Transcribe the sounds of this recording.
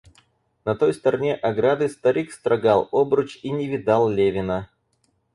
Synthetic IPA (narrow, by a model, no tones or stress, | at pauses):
nɐt̪o̞jst̪əɾɐnʲeʔɐɡɾad̪ɨst̪ɐɾʲikst̪ɾʔɐɡalˠobɾʊt͡ɕinʲɪvʲɪd̪alˠlʲevʲɪnə